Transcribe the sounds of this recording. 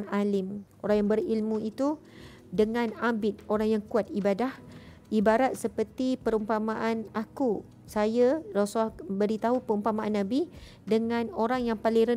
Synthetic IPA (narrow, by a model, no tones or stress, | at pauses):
ŋalɪmʔoɾaŋjaŋbəɾilmũit̪u | dəŋãnambɪt̪̚oɾaŋjaŋkuat̪̚ibadah | ʔibaɾat̪̚səpərt̪ipəɾumpamaʔanaku | sajaɾasahbəɾit̪aɦupəɾumpamaʔanːãbi | dəŋãnoɾaŋjaŋpaliɾə